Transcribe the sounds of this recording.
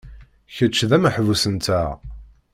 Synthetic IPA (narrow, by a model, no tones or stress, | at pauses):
çət͡ʃːðæməħvusənt̪æ